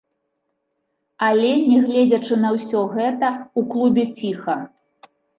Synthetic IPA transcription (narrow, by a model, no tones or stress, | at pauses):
alʲɛnʲɛɣlʲɛd͡zʲɐt͡ʂɨnɐwsʲɔɣɛt̪ɐuklˠubʲɛt͡sʲixɐ